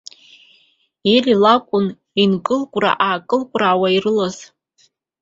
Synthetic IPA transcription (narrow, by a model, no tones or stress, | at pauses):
elilakʷʼʊn | inkʼɨlkʷʼra̰ʔaːkʼɨlkʷʼraːwairɨlaz̥